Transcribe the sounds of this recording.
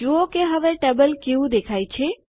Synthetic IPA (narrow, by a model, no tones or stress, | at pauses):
uokeɦəʋeʈɛbəlkeʋũd̪ekʰajt͡ʃʰe